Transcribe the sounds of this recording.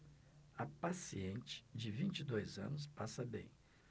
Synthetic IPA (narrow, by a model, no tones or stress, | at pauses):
ɐpasiẽnt͡ʃɪ̥d͡ʒɪvĩnt͡ʃid̪ojzɐ̰̃nʊs̬pasɐbḛ̃j̃